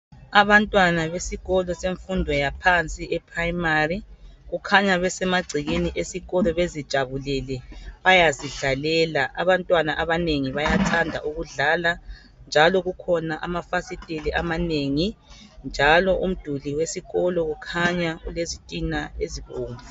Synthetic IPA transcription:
aβantʼwanaβesiɣɔlɔseɱfundʱɔjapʰant͡sʼiʔɛpʰraimariɣukʰaɲaβɛsɛmaɡ͡ǀʱiɣeniʔesiɣɔlɔβezid̥ʒ̥ʱaβulɛlɛβajaziɮalɛːlaʔaβantʼwanaʔaβaneŋiβajatʰandʱa̰ʔuɣuɮala | nd͡ʒʱalɔɣukʰɔnaʔamafasitʼilɛʔamaneŋi | nd͡ʒʱalɔʔum̩d̥ʱuliwesiɣɔlɔɣukʰaɲaulezitʼinaeziβoːmu

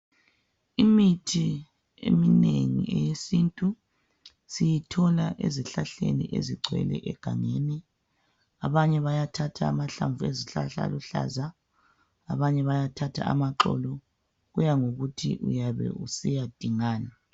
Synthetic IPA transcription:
imitʰi | ḛmineŋḭʔɛjesintʼu | sijitʰɔlaʔeziɬaɬenḭʔeziɡ͡ǀʱwɛ̰lɛ̰ʔɛɡ̥ʱaŋeːni | aβaɲɛβajatʰatʰaːmaɬaɱvueziɬaɬa̰luɬa̰ːzaː | βaɲɛβajatʰatʰa̰amaǁɔ̰lɔ | ɣujaŋoɣutʰḭʔṵjaβɛ̰ṵsijad̥ʱiŋaːna

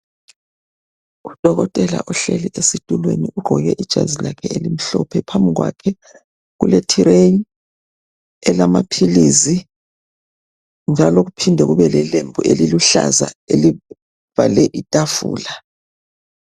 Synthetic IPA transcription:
ud̥ʱɔɣɔtʼɛla̰ʔɔɬeliʔesitʼulweniʔuɡ͡ǃʱɔɣɛʔid̥ʒ̥ʱa̰zilakʰɛelim̩ɬɔ̰pʰɛpʰambʱiɣwa̰kʰɛ | ɣuletʰiɾe | ɛlamapʰilizi | nd͡ʒʱaloɣupʰindʱɛɣuβɛlɛlembʱuʔeliluɬa̰zaeli | v̥alɛʔitʼafṵːla

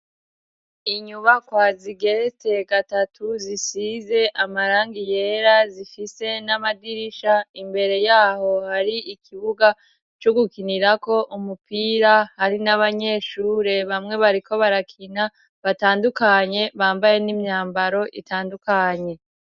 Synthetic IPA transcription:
iɲuβakwaziɡe̞ɾete̞ɡatatʰuzisize̞ʔamaɾaːŋɡije̞ɾazifise̞namadiɾiʃaimbe̞ɾe̞jaːho̞haɾiikʰiβuɡa | t͡ʃoɡukiniɾako̞ʔumupiːɾahaɾinaβaɲe̞ːʃuːɾe̞βamŋe̞βaɾiko̞βaɾakʰina | βataːndukaɲe̞βaːmbaje̞nimɲaːmbaɾo̞ʔḭtaːndukaɲe̞

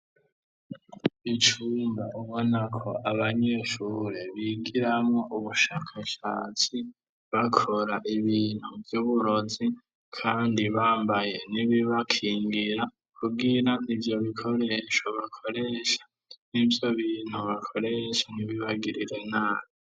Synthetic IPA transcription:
it͡ʃuːmbaʔuβo̞nakʰo̞ʔaβaɲe̞ʃuɾeβiɡiɾamŋo̞ʔuβuʃaːkʰaʃaːt͡si | βakʰo̞ɾaʔiβiːn̥huvjuːβuɾo̞zi | kʰaːndiβaːmbaje̞niβiβakʰiːŋɡiɾa | kʰuɡiɾaʔivjo̞βikʰo̞ɾe̞ʃo̞βakʰo̞ɾe̞ʃḁ | nivjo̞βiːn̥uβakʰo̞ɾeʃaniβiβaɡiɾiɾe̞naːβi

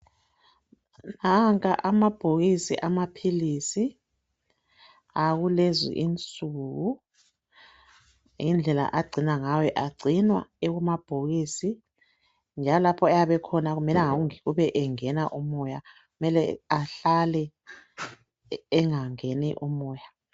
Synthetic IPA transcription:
naŋkʼaʔamab̥ʱoɣisiʔamapʰilisi | aɣulezḭʔint͡sʼuːɣu | ind͡ɮʱɛla̰ʔaɡ͡ǀʱinaŋawɛʔaɡ͡ǀʱinwa̰ɛɣumab̥ʱoɣiːsi | nd͡ʒʱalɔlapʰɔɛjaβɛkʰɔnaɣumɛlɛŋaɣuŋiɣuβɛʔɛŋɛnaʔumɔja | ɣumɛlɛaɬalɛ | ŋaŋenɛ̰ʔumɔːja

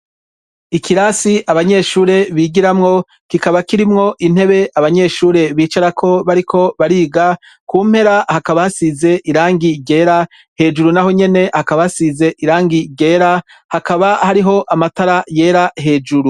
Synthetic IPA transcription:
ikʰiɾasiʔaβaɲe̞ːʃuːɾe̞βiːɡiɾamŋo̞ | kikaβakiɾimŋo̞ʔin̥he̞βe̞ʔaβaɲe̞ʃuːɾe̞βiːt͡ʃaɾakʰo̞βaɾikʰo̞βaɾiːɡa | kuːm̥he̞ɾahakaβahasize̞ʔiɾaːŋɡiɟe̞ːɾa | he̞ːd͡ʒuɾunaɦo̞ɲe̞ne̞hakaβahasize̞ʔiɾaːŋɡiɟe̞ːɾa | hakaβahaɾiɦo̞ʔamataɾaje̞ːɾaɦe̞ːd͡ʒuɾu

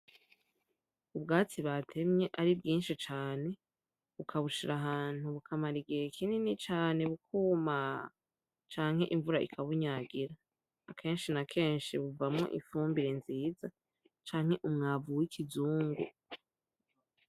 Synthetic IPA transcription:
ubɡaːt͡siβatʰe̞mɲe̞ʔaɾibɡiːnʃit͡ʃaːne̞ | βukʰaβuʃiɾaɦaːn̥huβukʰamaɾiɡeekʰininit͡ʃaːne̞βukʰuma | t͡ʃaːŋ̥he̞ʔiɱvuɾaʔḭkʰaβuɲaːɡiɾaː | kʰe̞ːnʃinakʰe̞ːnʃiβuvamŋo̞̰ʔiɱfuːmbiɾe̞nziːza | t͡ʃaːŋ̥he̞ʔumŋaːvuwikʰizuːŋɡṵ

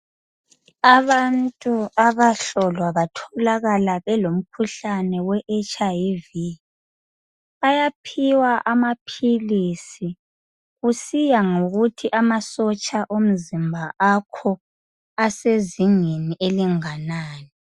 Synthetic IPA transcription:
aβantʼuaβaɬɔlwaβatʰɔlaɣalaβɛlom̩kʰuɬanɛwɛʔɛt͡ʃʼavi | ajapʰiwaʔamapʰilisi | ɣusijaŋoɣutʰiʔamasɔt͡ʃʼaʔom̩zimbʱaʔakʰɔ | aseziŋeniʔeliŋanaːnɛ

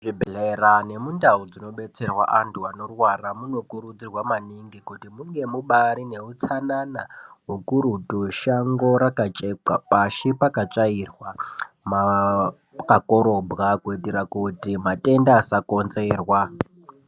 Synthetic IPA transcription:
ʐibʱlerane̞mundaud͡zino̞ɓe̞t͡se̞rwa̰ʔantʰuano̞rwaramuno̞kuɾud͡zirwamaniŋɡikutimuŋɡe̞muɓaɾine̞ut͡sananaɦukuɾutuʃaŋɡo̞ɾakat͡ʃʼeka̰paʃipakat͡ʂairwa | ma | kako̞ɾo̞bʱɣakuitiɾakutimatʼe̞ndaːsako̞nze̞ːrwa

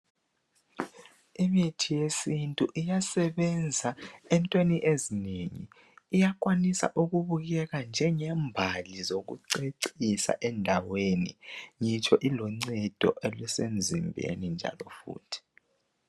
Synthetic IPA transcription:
imitʰijesintʼuʔijasɛβɛnd͡zʱaɛntʼweniʔezineŋḭː | jak̬ʼwanisa̰ʔuɣuβuɣɛɣand͡ʒʱɛŋɛmbʱalizoɣṵǀeǀisa̰ʔɛndʱaweniŋit͡ʃʰʼɔʔilɔŋ͡ǀɛd̥ʱɔ̰ʔelɛsend͡zʱimbʱḛnind͡ʒʱa̰lɔfṵːtʰi̥

